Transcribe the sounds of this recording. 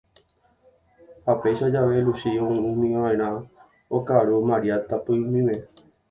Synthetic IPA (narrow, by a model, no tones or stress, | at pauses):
hapejʃad͡ʒaʋeluʃiõũmĩããẽɾ̃ã | okaɾomãɾiat̪apɨũmĩme